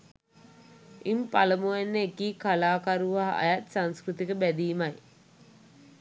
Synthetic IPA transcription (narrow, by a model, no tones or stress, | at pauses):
impaləmuenːəekiːkalaːkaɾuʋaɦa̰jat̪saŋskrut̪ikəbæd̪iːmaj